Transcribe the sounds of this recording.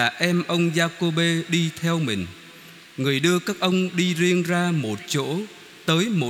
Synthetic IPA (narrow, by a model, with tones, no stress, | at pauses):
aː˨˩ʔɛ˧mʔə˧wŋ͡mzaː˧ko˧ɓe˧ɗi˧t̪ʰɛ˧wmï˨˩ŋ̟ | ŋɨ˨˩əjɗɨ˧əkaː˦˥k̚ʔə˧wŋ͡mɗi˧zi˧ənzaː˧mo˨˩t̚t͡ɕo̰˧˥ | t̪əː˨˦jmo˨˩